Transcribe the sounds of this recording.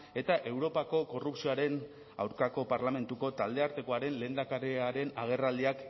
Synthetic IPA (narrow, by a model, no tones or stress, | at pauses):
e̞t̪aʔe̞wɾo̞pako̞ko̞rupsioaɾe̞n | a̰wɾkako̞paɾlame̞nt̪uko̞t̪ald̪e̞aɾt̪e̞ko̞aɾe̞nle̞ːnd̪akaɾeaɾe̞naɣ̞e̞rald̪iak